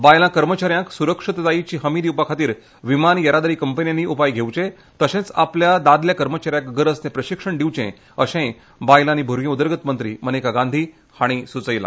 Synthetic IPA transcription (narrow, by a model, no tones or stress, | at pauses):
bajlãkəɾmət͡ɕaɾjãksuɾəkʂit̪d͡zait͡ɕiːɦəmid̪iupakʰat̪iːɾ | ʋimanjəɾad̪əɾiːkəmpənjanːiupajɡʱewt͡ɕẽ | t̪əɕẽt͡sa̰pljad̪ad̪ljakəɾmət͡ɕaɾjãkɡəɾəsnepɾəɕikʂəɳɖiʋt͡ɕḛ̃ | əɕẽ | bajlanibʱuɾɡẽud̪əɾɡət̪mənt̪ɾḭːmənekaɡãnd̪ʱiː | haɽ̃isut͡səjla̰